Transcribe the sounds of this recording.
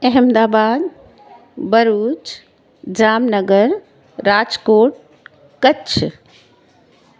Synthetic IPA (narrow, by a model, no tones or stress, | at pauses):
eɦəmd̪aːbaːd̪ | bəɾuːt͡ʃ | d͡ʒamnəɡəɾː | ad͡ʒkoːʈ̚ | kətːt͡ʃʰ